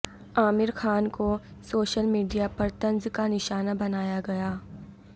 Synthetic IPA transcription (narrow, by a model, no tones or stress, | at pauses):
aːmɪɾxʰaːnko | soːʃəlmiːɖijapɐɾt̪ɐ̃nzkanɪʃaːnabɐnaːjaɡɐjaː